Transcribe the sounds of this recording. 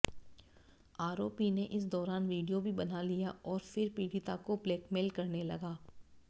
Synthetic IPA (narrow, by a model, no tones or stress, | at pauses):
aːɾoːpineʔɪs̬d̪ɔːɾaːnʋiːɖijobʱibɐnalijaʔɔːɾfɪɾpiːɖit̪akopleːkmeːlkɐɾnelɐɡaː